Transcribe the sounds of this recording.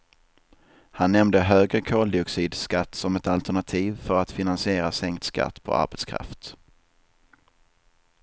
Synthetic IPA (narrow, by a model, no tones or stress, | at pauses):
hanːɛmd̪əɦøːɡɾəkʰoːld̪ɪɔksiːd̪skat̪ːsɔmɛt̪alt̪æɳat̪ʰiːvfœɾat̪fɪnansɪeːɾasɛŋkt̪ska̰t̪ːpʰɔ̰ʔa̰ɾbɛt̪skʰɾa̰ft̪